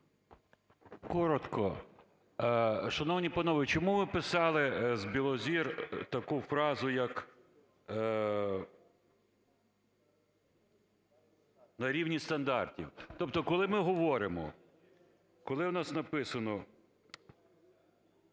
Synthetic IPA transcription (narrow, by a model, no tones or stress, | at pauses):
kɔɾɔt̪kʰɔ | ʃɐnɔwnʲipɐnɔʋɪt͡ʃɔmuʋɪpɪsɑlˠɪzbʲilˠɔzʲirt̪ɐkufɾɑzʊjɐk | nɐɾʲiwnʲist̪ɐnd̪ɑrtʲḭwt̪ɔp̚t̪ɔkɔlˠɪmɪɦɔʋɔɾɪmɔ̰ | kɔlˠɪwnɑsnɐpɪsɐnɔ